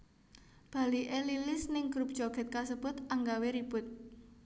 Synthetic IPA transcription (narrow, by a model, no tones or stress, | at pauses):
b̥a̤liʔelilɪsnɪŋɡ̥ɾup̚d̥ʒ̥oɡ̥ɛ̤t̪̚kasəb̥ʊt̪aŋɡaweɾib̥ʊt̪̚